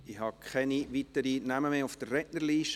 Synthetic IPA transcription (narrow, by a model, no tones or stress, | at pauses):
ihɑkʰχɛniʋitəɾinaməmeːʊfd̥ərrɛnəɾliːʃ